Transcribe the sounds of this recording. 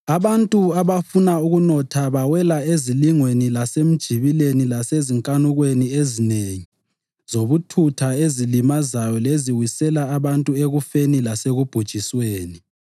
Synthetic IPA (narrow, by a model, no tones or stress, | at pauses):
aβantʼuaβafunauɣunɔtʰaβawɛlaeziliŋwenilasem̩d̥ʒ̥ʱiβilenilaseziŋkʼanuɣweniezineŋi | zoβutʰutʰaezilimazajɔleziwisɛlaːβantʼueɣufenilaseɣub̥ʱud̥ʒ̥ʱisweːni